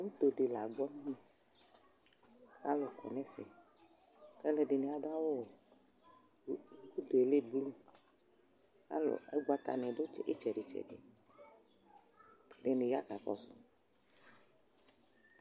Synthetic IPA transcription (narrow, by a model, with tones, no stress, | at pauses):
wo˦t̪o˨ɖe˨la˨ɡ͡bɔ˦m˦ɲĩ˦ | ka˦lɔ˨kɔ̰˨nɛ̃˦fɛ̰˨ | kɛ˦le˨ɖe˨nẽ˨a˨ɖa˦wo˦o˨˦ | u˦d̪o˨e˨le˦blu˦ | ka̰˦lɔ̰˨ɛ˦ɡ͡ba˦t̪a̰˨nɛ̃˨ɖo˦t͡ʃḛ˦t͡ʃɛ˨ɖe˨t͡ʃɛ̰˨dḛ˨ | ɖe˨ne˨ja˦ka˨kɔ̰˦sʊ̰˨